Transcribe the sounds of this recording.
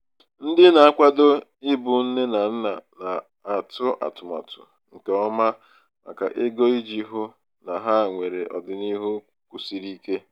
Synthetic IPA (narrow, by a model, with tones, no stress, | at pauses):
n̩˦dɪ˦na˨a˦kʷa˦do˦ɪ˦bʊ˨n̩˦ne˦na˨n̩˦na˨na˨ | a˨tʊ˦ʔa̰˨tʊ˨ma̰˨tʊ̰˨ | ŋ̩˨ke˨ɔ˦ma˦ | ma̰˨ka̰˨ʔe˦ɡo˦i˦d͡ʒi˦ɦʊ˦ | na˨ɦa˦˨ŋʷe˨ɾe˨ʔɔ̰˨dɪ˨ni˦ɦu˦ | kʷu˨si˦ɾi˦ke˦